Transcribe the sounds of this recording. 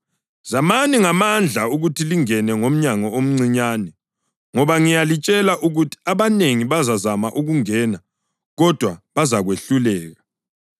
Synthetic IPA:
z̥amaniŋamand͡ɮʱauɣutʰiliŋɛnɛŋom̩ɲaŋɔom̩ŋ͡ǀiɲaːnɛ | ŋɔβaŋijalit͡ʃʼɛlaʔuɣutʰi̥aβaneŋiβazazamaʔuɣuŋɛna | ɣɔd̥ʱwaβazaɣweɬulɛːɣa

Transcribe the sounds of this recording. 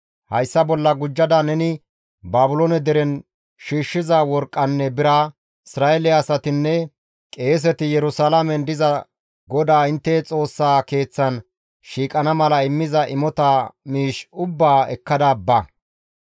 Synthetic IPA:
hɐjsːɐbɔlːɐɡʊd͡ʒːɐd̪ɐnɛnɪ | baːbʊloːnɛd̪ɛɾɛn | ʃiːʃːɪzawɔɾkʼːɐnːɛbɪɾa | ɪsɾaːɛlɛːsɐt̪ɪnːɛ | kʼe̞ːs̬ɛt̪ɪjɛɾʊsalamɛnd̪ɪzɐ | ɡɔd̪aːɪnt̪ːɛt͡sʼo̞ːsːaːke̞ːt͡sːɐn | ʃiːkʼɐnɐmɐlɐɪmːɪzɐʔɪmɔt̪aːmiːʃʊbːaːɛ̰kːɐd̪aːbːɐ

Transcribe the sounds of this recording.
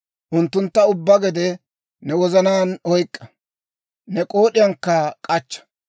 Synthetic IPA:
ʔʊnt̪ːʊnt̪ːɐʊbːɐɡɛd̪ɛ | nɛwɔzɐnaːnɔjkʼːɐ | nɛkʼo̞ːɗɪjɐŋkːɐkʼɐt͡ʃːɐ̥

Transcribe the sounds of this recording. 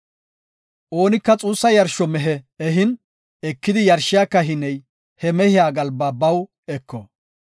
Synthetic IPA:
ʔo̞ːnɪkːɐt͡sʼuːsːɐjɐɾʃɔmɛɦɛɛɦɪn | ɛkːɪd̪ɪjɐɾʃɪjaːkːɐɦɪnɛj | hɛmɛhɪjaːɡɐlbaːbɐw | ɛkːɔ

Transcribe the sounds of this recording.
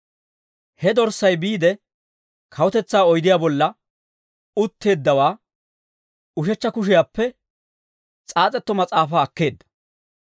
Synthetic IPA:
hɛd̪ɔɾsːɐjbiːd̪ɛ | kʰɐwɔt̪ɛt͡sːaːɔjd̪ɪjaːbɔlːɐ | ʊt̪ːe̞ːd̪ːɐwaː | ʊʃɛt͡ʃːɐkʊʃ̬ɪjaːpːɛ | t͡sʼaːt͡sʼɛt̪ːɔmɐt͡sʼaːfaːɐkːe̞ːd̪ːɐ̥

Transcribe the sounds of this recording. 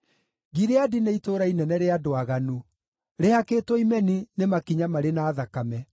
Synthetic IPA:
ɡiɾeadineitoːɾainɛnɛɾeadoaɣanu | ɾehakeːtwoimɛninemakiɲamaɾenaːðakamɛ

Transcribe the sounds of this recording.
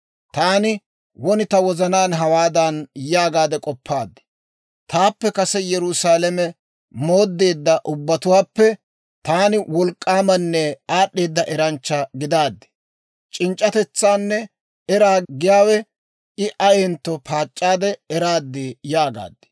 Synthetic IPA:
t̪aːnɪ | wɔnɪt̪ɐwɔzɐnaːnɦɐwaːd̪ɐnjaːɡaːd̪ɛkʼɔpːaːd̪ːɛ̥ | t̪aːpːɛkɐsɛjɛɾʊsaːlɛmɛ | mo̞ːd̪ːe̞ːd̪ːɐʔʊbːɐt̪ʊwaːpːɛ | t̪aːnɪwɔlkʼːaːmɐnːɛaːɗːe̞ːd̪ːɐʔɛɾɐnt͡ʃːɐɡɪd̪aːd̪ːɛ̥ | t͡ʃʼɪnt͡ʃʼːɐt̪ɛt͡sːaːnːɛ | ɛɾaːɡɪjaːwɛ | ɪʔɐɛnt̪ːɔpʰaːt͡ʃʼːaːd̪ɛɛɾaːd̪ːɪjaːɡa̰ːd̪ːɛ̥

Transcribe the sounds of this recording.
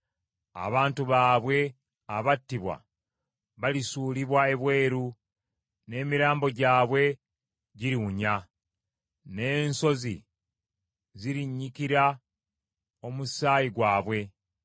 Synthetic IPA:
a̰βaːntuβaːβwe̞ | aβatːiβwa̰ | βalisuːliβwae̞βwe̞ːɾu | ne̞ːmiɾaːmbo̞ɟaːβwe̞ | ɟiɾiuɲa | ne̞ːnso̞zḭ | ziɾiɲːikiɾa | o̞musaːjiɡwaːβwe̞

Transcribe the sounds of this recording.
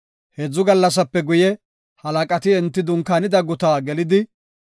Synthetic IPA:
hed͡zːʊɡɐlːɐs̬ɐpːɛɡʊjɛ | hɐlɐkʼɐt̪ɪɛnt̪ːɪd̪ʊŋkaːnɪd̪ɐɡʊt̪aːɡɛlɪd̪ɪ

